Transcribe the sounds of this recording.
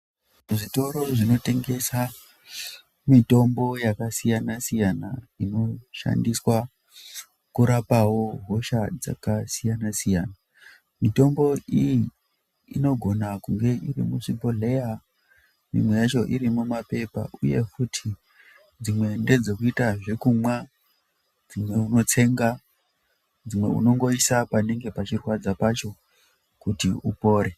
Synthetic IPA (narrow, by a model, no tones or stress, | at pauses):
ʐito̞ɾo̞ʐino̞te̞ŋɡe̞sa | mito̞mbo̞jakasijanasijanaino̞ʃa̰ndiswa | kuɾapawo̞ɦo̞ʃad͡za̰kasijanasijaːna | mito̞mbo̞iji | ino̞ɡʱo̞nakuŋɡe̞ʔirḭmuʂiboɮe̞ja | mḭmwe̞jat͡ʃo̞ʔiɾimumape̞pa̰ʔuje̞̰futʰi | d͡zimwe̞nde̞d͡zo̞kuitaʐe̞kumwa | d͡zimwe̞uno̞t͡se̞ŋɡa | d͡zimwe̞̰ṵno̞ŋɡo̞isapane̞ŋɡe̞pat͡ʃirwad͡zapat͡ʃo̞ | kutiupo̞ːɾe